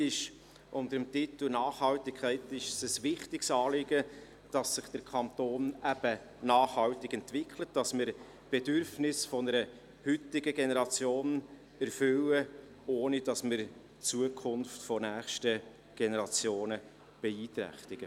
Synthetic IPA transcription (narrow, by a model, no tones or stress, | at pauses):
ɪʃ | ʔʊntəɾəmtɪt̪l̩nɑːχhɑltɪkʰχɛɪtɪʃsəsʋɪχtɪksɑːlɪɡə | d̥ɑsːɪχd̥əɾkʰɑnt̪oːnæb̥ə | nɑːχhɑwtɪɡɛnt̪vɪkʰlət̚d̥ɑsmɪɾ | b̥ɛdʏɾfnɪsfɔnəɾə | hʏtɪɡəɡenɛɾɑt͡sjoːn | ɛɾfʏwə | oːnid̥ɑsmɪɾ | t͡suəkʰʊnftfɔnæːχʃtə | ɡ̥ɛnɛɾɑt͡sjoːnə | b̥ɛiːt̪ɾæ̰χt̪ɪɡ̥ə